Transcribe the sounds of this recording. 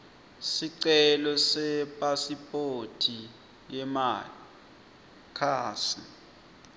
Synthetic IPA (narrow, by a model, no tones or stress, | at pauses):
siǀɛlɔsɛpʼasipʼotʰi | jɛmali | kʰaːsi